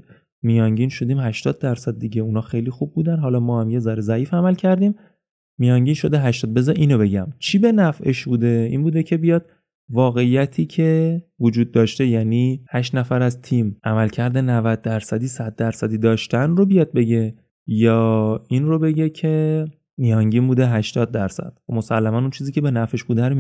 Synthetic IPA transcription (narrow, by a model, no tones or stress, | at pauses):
mijɒːŋɟiːnʃo̞d̪iːmhæʃt̪ɒːd̪̚ːæɾsæd̪̚ːiɟe̞unɒːxejliːxub̚buːd̪ænɦɒlɒːmɒːhæmje̞zɒɾezæiːfæmælcʰæɾd̪iːmː | ijɒŋɟiːnʃo̞d̪eɦæʃt̪ɒːd̪̚be̞zɒʔiːno̞be̞ɟæmt͡ʃʰibe̞næfe̞̰ʃbuːd̪e̞iːnbuːd̪ecʰe̞bijɒːd̪̥̚ | vɒːɣe̞ijæt̪ʰiːcʰe̞vod͡ʒuːd̪̚ːɒːʃt̪e̞jæniːhæʃt̪næfæɾæzt̪ʰimʔæmælcʰæɾd̪enævæd̪̚ːæɾsæd̪iːsæd̪̚ːæɾsæd̪iːd̪ɒːʃt̪ænrobijɒːd̪̚be̞ɟe̞ | jɒːinro̞be̞ɟe̞cʰe̞ | mijɒŋɟiːnbuːd̪eɦæʃt̪ɒːd̪̚ːæɾsæ̰d̪̥̚mo̞sælːæmænunt͡ʃʰiziːcʰe̞be̞næfe̞ʃbuːd̪æn